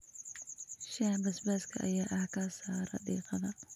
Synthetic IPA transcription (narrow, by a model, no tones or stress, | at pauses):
ʃabɐsbɐskʰɐʔɐ̰jaːʔɐhkɐsaːɾɐ̰ɗḭːqɐðɐ